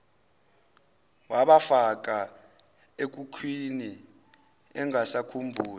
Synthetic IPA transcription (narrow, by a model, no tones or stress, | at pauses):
waɓafak̬ʼa | ek̬ukʰwini | ɛŋʱasakʰumbʱuːla